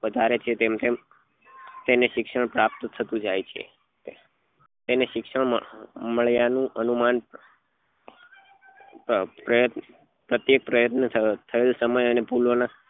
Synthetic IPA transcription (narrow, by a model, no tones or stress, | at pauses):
ʋəd̪ʱaɾet͡ʃʰet̪emt̪em | t̪eneʃɪkʃəɳ̃pɾap̚t̪t̪ʰət̪ũd͡ʒajt͡ʃʰḛ | t̪eneʃɪkʃəɳməɭjanũʔənuman | pɾəjət̪ | pɾət̪jek̚pɾəjət̪nət̪ʰəelsəməjənepulʋona